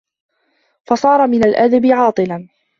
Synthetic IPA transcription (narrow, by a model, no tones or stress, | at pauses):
fɑsˤɑːɾˤɑmɪnalʔad̪abɪʕɑːt̪ˤɨlan